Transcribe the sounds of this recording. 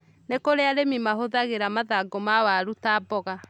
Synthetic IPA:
nekoɾeaɾemimaɦoðaɣeɾamaðaɡɔmawaɾutaːbɔɣa

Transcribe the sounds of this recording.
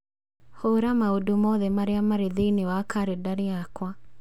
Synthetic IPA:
hoɾamaodomɔðɛmaɾeamaɾeðeinewakaɾedaɾeakwa

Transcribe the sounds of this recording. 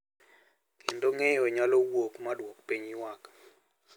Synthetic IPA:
kʰendoŋɛjɔɲalɔwokmadwok̚piɲiwak

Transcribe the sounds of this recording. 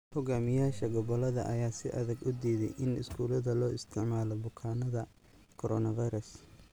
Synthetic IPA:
hʊɡaːmɪjaːʃɐɡɔβɔlɐðɐ̰ʔɐjaːsɪʔɐðɐɡʊd̪iːðɛjʔɪnɪ̰skʰuːlɐðɐlɔːɪst̪ʰɪʕmaːlɔbʊkʰaːnɐðɐ | kʰɔɾɔːnɐvajɾɐs

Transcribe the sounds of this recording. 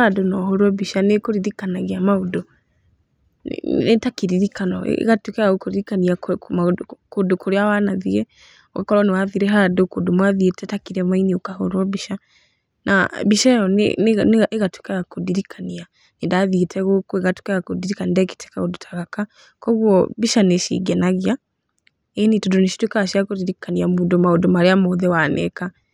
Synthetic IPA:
adonɔɦɔɾwɔbiʃanekoɾiɾikanaɣeamaodɔ | netakiɾiɾikanɔ̰ɣatwekɛaɣokoɾiɾikaniamakodokoɾeawanaðiɾɛ | ɔka̰kɔɾwanewaðiɾɛɦadokodomwaðietɛtakiɾɛmainiokahoɾwɔbiʃa | na̰βiʃaɔnneɣatwe̥kaakodiɾikʰania | nidaðitʰɛɣokueɣatwi̥kajakudiɾikanidɛki̥tʰɛ̥kaodutʰḁɣaka | kɔɣwɔβiʃaneʃḭɡɛnaɣja | einitudoniʃi̥twekaʃiakoðiɾikaniamudomaodomaɾeamoðɛwanɛ̰ka

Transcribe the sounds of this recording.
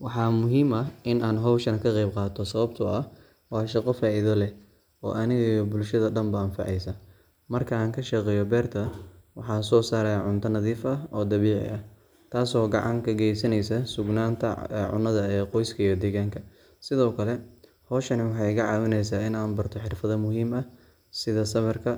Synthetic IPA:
wɑħɑːmʊɦiːmɐɪnaːnɦɔwʃɐnkʰɐqɛjb̚qɑːt̪ʰɔsɐβɐb̚t̪ʰɔɐ | wɑːʃɑqɔfaːʔɪðɐlɛ | ɔ̰ːʔɐnɪɣɐjɔbʊlʃɐðɐɖɐmbɐɐnfɑ̰ʕɛjsɐ | mɐrkʰɐaːŋkʰɐʃɑqɛːjɔbɛːrt̪ʰɐwɑ̰ħɑːsɔːsaːɾɛjaʕʊnt̪ʰɐnɐðiːfɐɔːd̪ɐβiːʕɪ̰ʔɐ | t̪ʰaːsɔːɡɑ̰ʕɑŋkʰɐɡɛjsɐnɛjsɐsʊɡnaːnt̪ʰɐɛʕʊ̰nːɐðɐɛːqɔjskʰɐijɔd̪ɛːɣaːŋkʰɐ | sɪðɔːkʰɐlɛ | hɔːʃɐnɪwɑħɑjkɐʕɑːwɪnɛjsaːɪnaːnbɐrt̪ʰɔħɪrfɐðɐmʊɦiːmɐ | sɪðɐsɐmɐrkʰɐ

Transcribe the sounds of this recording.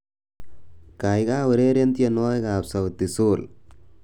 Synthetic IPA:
kajɣaːɔɾeːɾend̪ijɐnoːjɐɣaːpsɐʋɐt̪ːisuːl

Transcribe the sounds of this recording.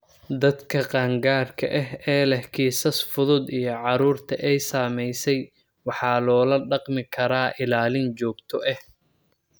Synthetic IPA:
d̪ɐd̪kʰɐqɑːŋɡaːrkʰɐ̰ʔɛɦɛːlɛhkʰiːsɐsfʊðʊd̪ijɞʕɑɾuːrt̪ʰɐʔɛjsaːmɛjsɛj | wɑħɑːlɔːlɐɖɑqmɪkʰɐɾaːʔɪlaːlɪnt͡ʃɔːɡt̪ʰɔʔɛh

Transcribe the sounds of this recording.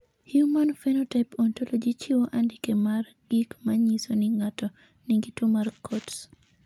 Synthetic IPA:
hjumanfɛnɔtapɔntolod͡ʒit͡ʃiwoʔandikemar | ɡikmaɲisonɪŋatɔ | niŋɡitumarkʰɔts

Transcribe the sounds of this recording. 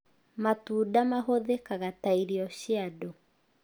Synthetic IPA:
matuːdamaɦoðekaɣataiɾiɔɕiadɔ

